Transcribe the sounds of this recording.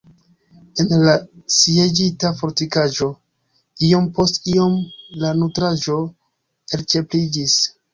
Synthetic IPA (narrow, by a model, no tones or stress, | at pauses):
enlasied͡ʒitafo̞ɾtikaʒo̞ | io̞mpo̞stio̞mlanutɾaʒo̞ | eɾt͡ʃe̞plid͡ʒis